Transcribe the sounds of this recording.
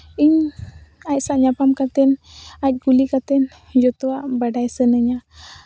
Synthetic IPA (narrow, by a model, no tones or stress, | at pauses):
iɲ | asaʔɲapamkat̪ɛnat̪̚kulikat̪ɛn | d͡ʒɔt̪oaʔbaɖajsənəɲa